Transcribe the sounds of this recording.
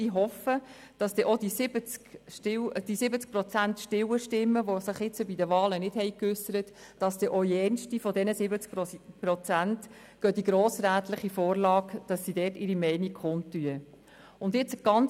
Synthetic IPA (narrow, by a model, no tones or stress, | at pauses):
iɦɔfəd̥ɑsd̥ɛʔɔdisɪbət͡skʃtɪd̥isɪbət͡sk̚pɾɔt͡sæntʃtɪwəʃtɪmːəʋosɪχɪt͡səbidəʋɑːlənɪd̥hɛɪjkʏsːəɾət | d̥ɑsd̥ɛʔɔiɛnʃtifɔdɛnəsɪbət͡skpɾɔt͡sænt | ɡ̥œd̥iɡɾoːsɾæːt̪lɪχifoːrlɑːkd̥ɑsːidɛːtɪɾimɛɪnikχʊntːyə | ʊndjɪt͡sɡ̥ɑn